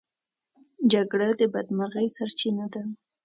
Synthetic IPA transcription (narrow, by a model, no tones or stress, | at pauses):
d͡ʒaɡɽad̪əbad̪maɾɣəjsaɾt͡ʃinad̪a